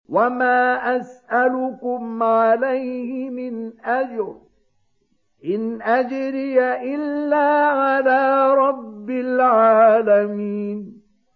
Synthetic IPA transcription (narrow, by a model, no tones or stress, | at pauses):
wamaːʔasʔalʊkʊmʕalajhɪmɪnʔad͡ʒɾ | ʔɪnʔad͡ʒɾɪjaʔɪlːaːʕalaːɾˤɑbːɪlʕaːlamiːn